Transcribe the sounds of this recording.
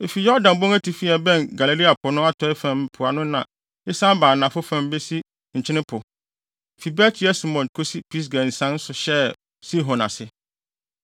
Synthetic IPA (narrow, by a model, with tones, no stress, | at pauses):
e˨fi˨jɔ˦dã˨nbõ˦ŋæ˦tʰi˨fi˦ɛ˨bɛ̃˦˨nɡa˨le˨li˦a˨pʰʊ˨nʊ̃˦a˦tʰɔ˦ɪ˦fæ̃˨m˦pʰʊ˨a˨nʊ̃˦nã˨ | ɪ˦sã˦m˦baː˨nã˨fʊ˦fã˨m˦be˦si˦ | ɲ̩˨t͡ɕʰɪ̃˦nɪ̃˦pʰʊ˨ | fi˨bɛː˦tʰi˨˦ɛ˦si˦mɔ̃˨nkʰo˦si˦pʰi˦s̬ɡã˨n̩˨sã˦n̩˦sʊ˨ɕɛ˦ | si˦ɦɔ̃˨na̰˨sɪ˦